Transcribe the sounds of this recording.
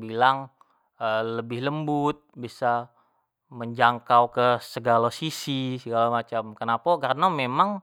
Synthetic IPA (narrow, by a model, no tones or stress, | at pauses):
bilaŋ | ələbɪhləmbʊt̪̚bisa | məɲd͡ʒaŋkawkəsəɡalasisisəɡalamat͡ʃamkənapakarənamemaŋ